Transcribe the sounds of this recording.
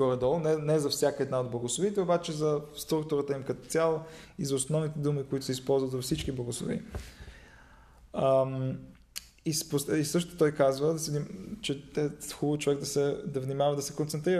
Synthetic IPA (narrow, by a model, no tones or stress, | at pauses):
ɡɔɾɛd̪ɔlˠnɛnɛzɐfsʲjakəɛd̪naod̪̚blˠɐɡʊslˠovit̪ɛobat͡ʃɛzɐst̪ɾuk̚t̪ʊɾət̪əimkət̪o̥t̪sʲalˠizɐʊsnɔvnit̪ɛd̪umikoit̪ʊ̥sɛispɔlˠzvət̪zɐfsit͡ʃkiblˠɐɡʊslˠo̰vḭ | isposisɤʃ̬t̪o̥t̪ɔjkazvəsɛd̪it͡ʃɛɛxubəvt͡ʃovɛɡd̪ɐsɛd̪ɐvnimavɐd̪ɐsɛkont̪sɛnt̪ɾiɾə